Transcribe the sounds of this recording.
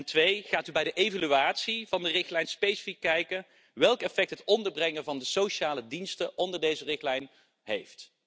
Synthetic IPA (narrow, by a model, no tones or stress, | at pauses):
ntʋejχaːtybɛjdəʔejvalyaːtsiv̥ɑndərɪχtlɛjnspejsi̥fikːɛjkən | ʋɛlˠkɛfɛk̚tɦətɔndəɹbrɛŋəvɑndəsowʃaːlədinstəɔndəɹdejzərɪχtlɛjn | ɦejft